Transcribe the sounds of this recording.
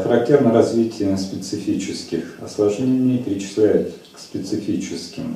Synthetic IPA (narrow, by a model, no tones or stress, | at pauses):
xəɾɐk̚tʲːernəɾɐzvʲitʲʰɪjəspʲɪt̪sɨfʲit͡ɕɪskʲɪxɐslˠɐʐʲenʲɪɪpʲɪɾʲɪt͡ɕɪ̥slʲæjʊt̪kspʲɪt̪sɨfʲit͡ɕɪskʲɪm